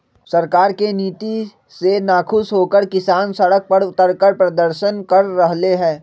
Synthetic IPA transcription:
sɐɾkaːɾkeniːt̪i | senaːkʰʊsɦoːkəɾkɪsaːnsɐɽək̚pɐɾʊt̪əɾkəɾpɾɐd̪əɾʃənkɐɾːɐɦleɦɛ̃ː

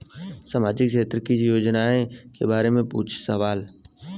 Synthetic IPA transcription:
saːmaːd͡ʒɪkʃeːt̪ɾəkid͡ʒjoːd͡ʒnaẽkebaːɾemẽpṵːt͡ʃʰsəʋaːl

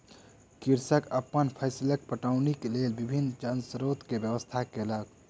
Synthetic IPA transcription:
kɪɾsəkəpːənpʰəɪsilək̚pəʈaːʊnikeleːlbɪbʱinːd͡ʒənsɾoːt̪kebjəʋəst̪ʰakeləɡ

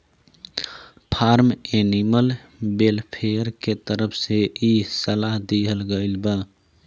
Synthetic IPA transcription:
pʰaɾmeniməl | belpʰeəɾket̪əɾəpʰseisəlaɦd̪iɦəlɡəɪlbə

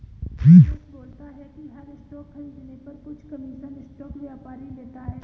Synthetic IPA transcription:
t̪ʰiːt͡ʃboːlt̪aɦɛkiɦɐɾɪsʈɔːkʰːɐ̃nd̪ɪnepɐɾkʊt͡ʃʰkɐmiːʃənɪsʈɔːkʋjaːpaːɾileːt̪aɦɛː

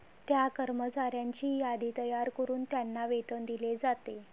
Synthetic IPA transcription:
t̪jakəɾmət͡ɕaɾjaɲt͡ɕiːjad̪iːt̪əjaɾkəɾuːnt̪janːaʋet̪ənd̪iled͡zat̪e

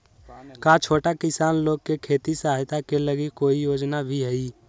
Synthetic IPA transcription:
kaːt͡ʃʰoːʈakɪsaːnloːɡ̚kekʰeːt̪isəɦaːjt̪akeləɡikːoːijoːd͡ʒnabʱiɦəi

